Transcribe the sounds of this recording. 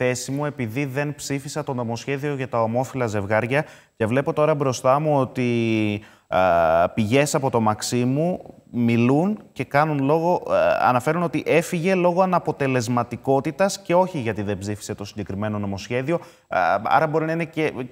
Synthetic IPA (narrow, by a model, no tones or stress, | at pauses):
θe̞simue̞piðiðe̞npsifisɐt̪o̞no̞mo̞sçe̞ðio̞ʝɐt̪ɐo̞mo̞filɐze̞vɣɐɾʝɐ | ce̞vle̞po̞t̪o̞ɾɐbɾo̞st̪ɐmuo̞t̪i | piʝe̞sɐpo̞t̪o̞mɐksimu | milunce̞kɐnunlo̞ɣo̞ɐ̰nɐfe̞ɾuno̞t̪iʔe̞fiʝe̞lo̞ɣo̞ɐnɐpo̞t̪e̞le̞zmɐt̪iko̞t̪it̪ɐsce̞o̞çiʝɐt̪iðe̞bzifi̥se̞t̪o̞siɲɟekɾime̞no̞no̞mo̞sçe̞ðio̞ | ɐ̰ɾɐbo̞ɾinɐinece